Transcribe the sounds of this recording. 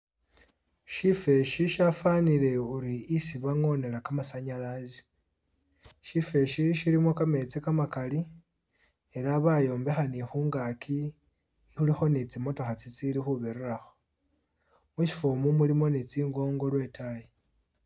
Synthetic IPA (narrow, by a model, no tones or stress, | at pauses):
ʃife̞ʃiʃafanile̞uɾiisiβaŋo̞ne̞ɾakamasaɲalazi̥ | ʃife̞ʃiʃiɾimo̞kame̞t͡sikamakali | e̞ɾaβajo̞ːmbexanixuːŋɡakʰi | xulixo̞nit͡simo̞to̞xat͡sit͡siɾixuβeɾuɾaxo | muʃi̥fomumulimo̞nit͡siːŋɡo̞ːŋɡo̞lwe̞ːtʰaje